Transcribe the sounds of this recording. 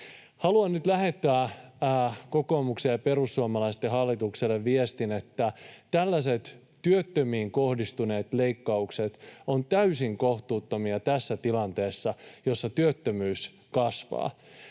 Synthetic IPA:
hɑluɑnnyt̪læhet̪ːæː | kokoːmuksejɑpe̞rusːuɑmɑlɑist̪ːeɦɑlːit̪ukselːeʋʋiest̪inet̪ːæt̪ælːæset̪ | tyøt̪ːømiːŋkohdist̪uneːt̪leikːɑukset̪ont̪æysiŋkoht̪uːt̪ːomiɑt̪æsːæt̪ilɑnt̪eːsːɑjosːɑt̪yøt̪ːømyːs | kɑsʋɑ̰ː

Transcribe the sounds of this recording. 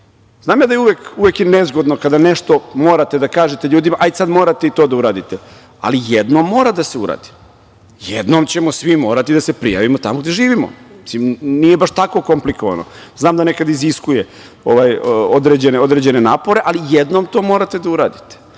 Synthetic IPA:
znaːmjaːd̪ajeuʋekuvjekjenezɡo̞d̪nokad̪aneʃt̪omo̞ːɾat̪e̞d̪akaːʒet̪eʎuːd̪imaʔajsad̪mo̞ːɾat̪e̞it̪o̞ːd̪auɾaːd̪it̪e | a̰lijed̪noːmːo̞ːɾad̪aseuɾa̰ːd̪i̥ | jḛd̪nomt͡ɕe̞mosʋimo̞ːɾat̪id̪asepɾḭja̰ʋimot̪amoɡd̪e̞ʒiːʋimo̰mi̥simnijebaʃt̪ako̞ko̞mplikoʋa̰no̰ | znaːmd̪ane̞kad̪iziskuje | oʋajod̪ɾed͡ʑeneo̞d̪ɾed͡ʑe̞ne̞naːpo̞ɾe̞ʔalijed̪no̞ːmt̪o̞ːmoɾat̪e̞d̪auɾa̰ːd̪it̪e̥

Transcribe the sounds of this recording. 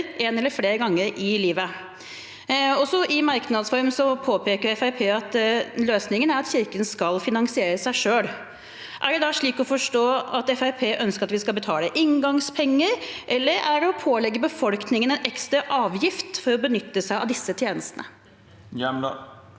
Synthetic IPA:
ʔenɛlːəɾfleːɾɡɑŋːəɾɪliːʋə | ɔsɔʔɪmɑɾknɑd̪sfɔɾmsɔpʰoːpʰeːkəɾɛfæɾpʰeːɑt̪løːsnɪŋənæɾɑt̪çɪɾkənskɑlfɪnɑŋsɪeːɾəsæɪʂøːl | ʔæ̰ɖɛd̪ɑʂɭiːkɔfɔʂʈoːɑt̪ɛfæɾpʰeːʔœnskəɾɑt̪ʋɪskɑlbət̪ʰɑːləʔɪŋɡɑŋspʰɛŋːəɾʔɛlːəɾæɖɛɔpʰoːlɛɡːəbəfɔlknɪŋənɛnʔɛkst̪ɾɑʔɑːʋjɪft̪fɔɾɔbənʏt̪ːəsæɪɑ̰ʋd̪ɪsːət̪ʰjeːnəst̪ənə̰

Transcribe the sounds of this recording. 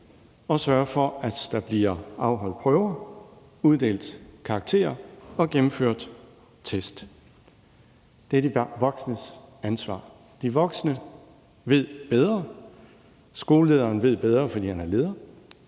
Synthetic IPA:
ɒ̽sɶɐfɒ̽æd̥d̥ɑ̈b̥liɐɑ̈ʊɦɒ̽l̰dˠpʰœʊɐ | uð̞ˠd̥e̝̰ːld̥kʰɑ̈ɡ̥̚t͡sʰe̝̰ːɐɒ̽ɡ̥emm̩føɐ̰d̥ | t͡sʰesd̥ | d̥eɐd̥əʋɒɡ̥snəsænsʋɑ̰̈ː | d̥iʋɒ̽ɡ̥sənə | ʋe̝ð̞̰ˠb̥eð̞ˠʁɐ | sɡ̥o̝ːləle̝ːð̞ˠɐːnʋe̝ð̞̰ˠb̥eð̞ˠʁɐfɒ̽d̥ḭːhænæɐle̝ːðˠɐ

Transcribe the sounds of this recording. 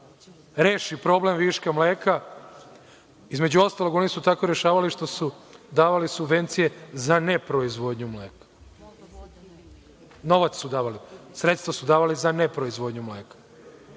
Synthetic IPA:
ɾeːʃipɾo̞ble̞mʋiʃkamleːka | izmed͡ʑuo̞st̪aloɡo̞nisut̪akoɾeʃaːʋaliʃt̪o̞sud̪aːʋalisubʋe̞nt̪sije̞zane̞pɾoizʋo̞d̪ɲumleːkḁ | no̞ʋat̪ssud̪aːʋalisɾe̞t̪st̪ʋasud̪aːʋalizanepɾo̞izʋo̞d̪ɲumleːkḁ

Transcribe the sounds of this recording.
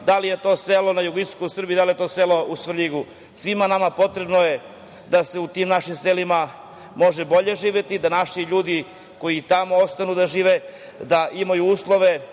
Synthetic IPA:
d̪alije̞t̪o̞ːselo̞najuɡiskosr̩bid̪alije̞t̪oːselo̞usr̩ʎiɡu | sʋimanamapo̞t̪ɾe̞bno̞je̞ | d̪ase̞ut̪iːmnaʃimselima | mo̞ʒe̞bo̞ʎe̞ʒiːʋe̞t̪id̪anaʃiʎuːd̪i | ko̞jit̪amo̞ost̪anud̪aʒiːʋe | d̪aʔimajuuːslˠo̞ʋe̞

